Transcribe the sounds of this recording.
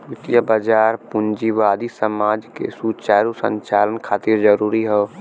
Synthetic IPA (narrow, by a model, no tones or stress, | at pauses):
ɪt̪ijəbəd͡ʒaːɾpʊnd͡ʒiʋaːd̪isəmaːd͡ʒkḛsut͡ʃaːɾusə̰̃ɲt͡ʃaːlənkʰaːt̪ɪɾd͡ʒəɾuːɾiɦɛː